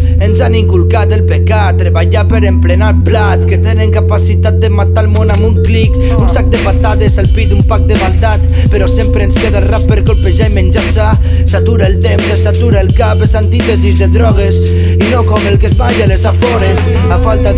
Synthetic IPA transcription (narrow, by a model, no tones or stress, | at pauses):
enzaniŋkulˠkat̪elpekat̪ːɾeβaʎapəɾemplenaplat̪ket̪eneŋkapasit̪at̪̚d̪əmat̪almonamuŋklik | unsak̚d̪epat̪at̪ezelpit̪umpak̚d̪əmald̪at̪ | pəɾɔsempɾeːnskeðarappːəɾkolpeʒaimenʲd͡ʒasa | sat̪uɾaelˠt̪emplesat̪uɾaelˠkapesant̪it̪ezizðeðɾɔɣ̞es | inokɔmelˠkezβaʎalezafɔɾes | afalˠt̪a